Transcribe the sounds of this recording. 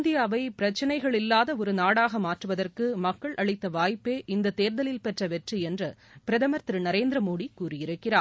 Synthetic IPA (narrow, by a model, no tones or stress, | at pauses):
nd̪ɪjaːʋɐɪpɪɾɐt͡ʃːɐnɐɪɣɐɭɪlːaːðɐɔɾɯnaːɽaːɣɐmaːʈrɯʋɐðɐrkɯmɐkːɐɭʔɐɭɪt̪ːɐʋaːjpːeːʔɪnd̪ɐt̪ːeːɾðɐlɪlpɛʈrɐʋɛʈriɛndrɐ | pɪɾɐðɐmɐɾt̪ɾɯnɐɾeːnd̪ɾɐmoːɽikːuːrɪjɪɾɯkːɪɾaː